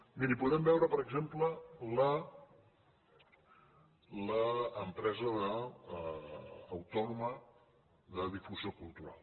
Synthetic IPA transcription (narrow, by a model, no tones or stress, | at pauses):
miɾipuðɛmbɛwɾəpəɾəɡzemplələ | ləːmpɾɛzəðə | wt̪ɔnumə | ðəðifuziokulˠt̪uɾa̰lˠ